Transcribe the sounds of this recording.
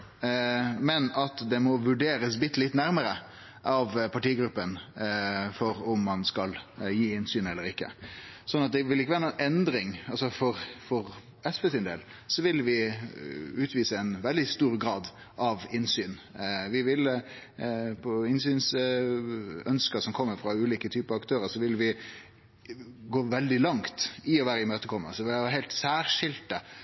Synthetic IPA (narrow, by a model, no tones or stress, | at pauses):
mɛnɑt̪d̪ɛmɔʋʉɖeːɾəsbɪt̪ːlɪt̪ːnæɾməɾə | ʔɑʋpʰɑʈiːɡɾʉpːən | fɔɾʊmːɑnskɑljiːɪnsyːnɛlːəɾɪkːə̰sɔnːɑt̪̚d̪ɛʋɪlːɪkːəʋæːɾənunʔɛnd̪ɾɪŋɑlsɔfɔɾfɔɾ | ɛsbeːsɪnd̪ḛːlsɔʋɪlʋɪ | ʉːt̪ʋiːsəɛnʋɛld̪ɪst̪uːɾɡɾɑːd̪ | ʔɑʋɪnsyːnʋɪʋɪl | pʰɔɪnsyːns | œnskəsɔmkʰɔmːəɾfɾɑʉːliːkət̪ʰyːpəɑʋɑkt̪ʰøːɾəsɔʋɪlʋɪ | ɡoːʋɛld̪ɪlɑŋt̪ɪɔʋæːɾəɪmøːt̪əkʰɔmːə̰səʋɪʋæːɦɛɪlt̪sæːɾʂɪlt̪ə